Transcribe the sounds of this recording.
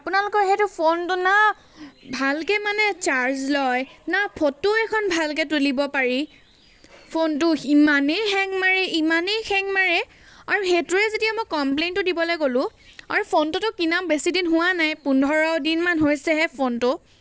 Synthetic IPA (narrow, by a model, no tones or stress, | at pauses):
apʊnalʊkɔxetʊpʰontʊna | bʱalkɛmanɛt͡ʃaɹzlɔjnapʰotʊɛkʰɔnbʱalk̬ɛtulibɔpaɹi | pʰontʊimanejxɛŋmaɹɛʔimanejxʰɛŋmaɹɛ | aɹuxetuɹɛzetijamojkɔmplejntʊdibɔlojɡolʊ̃aɹupʰontʊtʊkinabesidinɦʊwanajpundʱɔɹɔdinmanɦojsɛɦɛpʰontʊ